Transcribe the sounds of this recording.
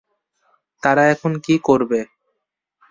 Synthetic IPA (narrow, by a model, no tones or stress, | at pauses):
t̪aɾaɛkʰonkikoɾbe